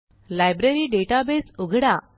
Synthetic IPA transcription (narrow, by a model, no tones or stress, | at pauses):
lajbɾeɾiːɖeʈabesuɡʱɽa